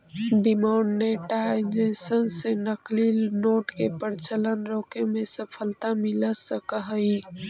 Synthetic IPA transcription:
ɖimaʊɳɖneʈad͡ʒesənsenəklilnoːʈkepəɾt͡ʃələnɾoːkemẽsəpʰəlt̪amiləsəkəɦəi

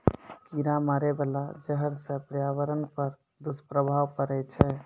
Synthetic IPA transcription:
kiɾamaɾɛbəlad͡ʒəɦəɾsə̃pɾjaʋəɾənpəɾ | d̪uspɾəbʱaʋkəɾɛt͡ʃʰɛ

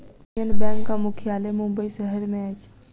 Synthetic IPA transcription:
ənbɛ̃ŋkːamukʰijalemumbəisəɦəɾmeət͡ʃʰ

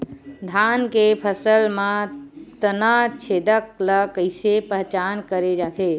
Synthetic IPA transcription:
d̪ʱankepʰəsəlmãt̪ənat͡ʃʰed̪ək̚ləkəjsepəɦt͡ʃankəɾed͡ʒat̪e

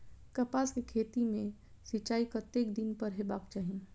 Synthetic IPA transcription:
kɐpaːskekʰeːt̪imẽ | sɪt͡ʃaːikɐt̪eːkd̪ɪnpɐɾɦebaːkt͡ʃaːɦĩ

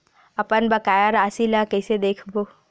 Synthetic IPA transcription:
ɐpənbɐkaːjaɾaːsilakɛːsed̪eːkʰboː

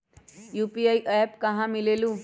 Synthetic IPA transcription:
juːpiaiʔɐpkɐɦãmɪleːlũː

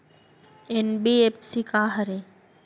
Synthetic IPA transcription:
enbiepsikaɦəɾe

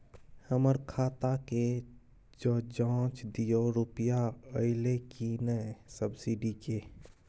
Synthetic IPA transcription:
həməɾkʰaːt̪ake | d͡ʒoːd͡ʒãːt͡ʃd̪ijoɾʊpjaəɪlekinəsəbsiɖike

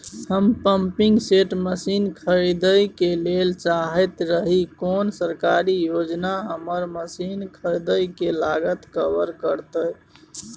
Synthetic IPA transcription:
həmpəmpiŋɡseʈməsinkʰəjd̪əjkelelt͡ʃaɦɛt̪ɾəɦikonsəɾkaɾijod͡ʒnaɦəməɾməsinkʰəjd̪əjkelaɡət̪kəbəɾkəɾt̪ə

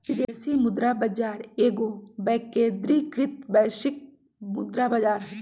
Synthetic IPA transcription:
id̪eːsimʊd̪ɾaːbɐd͡ʒaːɾeːɡoːbɛːkeːd̪ɾiːkɾɪt̪bɛːʃɪk̚ | mʊd̪ɾabɐd͡ʒaːɾɦɛ

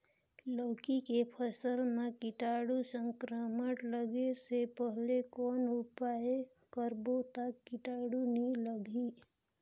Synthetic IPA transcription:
ləːkikepʰəsəlmẽkɪʈaɽusəŋkɾəməʈləɡesepəɦlekɔːnupae | kəɾbot̪əkːɪʈaːɽuniləɡi

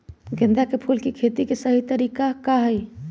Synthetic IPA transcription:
ɡɪ̃nd̪akepʰuːlkikʰet̪ikesəɦit̪əɾiːkakaɦəj

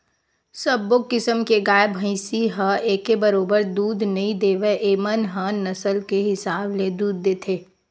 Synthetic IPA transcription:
səbːokːɪsəmkeɡaːjbʱə̃ɪ̃siɦəʔeːkebɐɾoːbəɾd̪uːd̪nɐɦĩd̪eːʋeʔeːmənɦãnːɐsəlkeɦɪsaːbled̪uːd̪̚ːeːt̪ʰeː

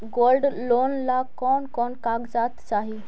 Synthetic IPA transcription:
ɡolɖlonlakɔnkɔnkaɡd͡zat̪t͡saɦi

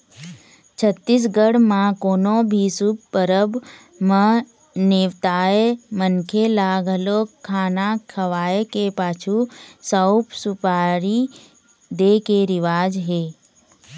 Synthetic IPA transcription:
t͡ʃʰət̪ːis̬ɡəɽmãkoːnõbʱisubpəɾəb | mə | neʋt̪aːemənkʰelaːɡʱəlokʰaːnakʰəʋaːekepaːt͡ʃʰusəʊpsʊpaːɾi | d̪ekeɾɪʋaːd͡ʒɦeː

